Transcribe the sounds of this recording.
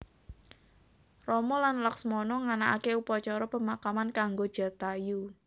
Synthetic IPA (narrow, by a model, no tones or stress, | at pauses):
rɔmɔlanlaksmɔnɔŋanaʔakeupɔt͡ʃɔɾɔpəmakamankaŋɡod̥ʒ̥a̤t̪aju